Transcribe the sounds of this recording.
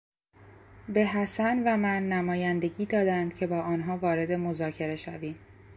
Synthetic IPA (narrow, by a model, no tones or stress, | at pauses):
be̞ɦæsænvæmænːæmɒːjænd̪e̞ɟiːd̪ɒːd̪ænd̪̥cʰe̞bɒːʔɒːnɦɒːvɒːɾe̞d̪e̞mozɒːcʰe̞ɾe̞ʃæviːm